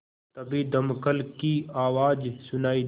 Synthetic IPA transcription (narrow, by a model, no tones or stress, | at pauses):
t̪ɐbid̪ɐmkəlkiaːwaːd͡ʒsʊnaːi